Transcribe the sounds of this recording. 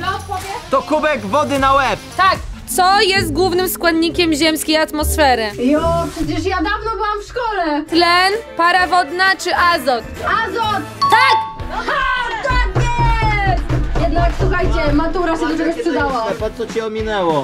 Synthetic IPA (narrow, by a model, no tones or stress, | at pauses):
pɔvʲɛt̪ɔkubɛɡvɔd̪ɘnawɛp̚t̪akt̪sɔjɛst̪̚ɡwuvnɘmskwad̪ɲikʲɛmʑɛmskʲejat̪mɔsfɛɾɘjɔpʂɛt͡ɕɛʂjad̪avnɔbɘwamfʂkɔlɛt̪lɛnpaɾavɔd̪nat͡ʂɘʔazɔt̪azɔt̪t̪ak | t̪aɡbɛ | jɛd̪nakswuxajt͡ɕɛmat̪uɾaɕɛd̪ɔt̪ɛɡɔspʂɨd̪awaapɔt̪sɔt͡ɕɛɔmʲinɛwɔ